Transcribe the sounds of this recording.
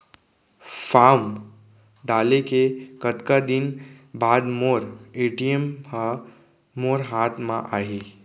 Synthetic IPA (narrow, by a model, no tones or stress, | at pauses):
fam | ɖaːlekekət̪kad̪inbaːd̪moːɾeʈijəm | moːɾɦaːt̪ʰmã̰ʔaːɦi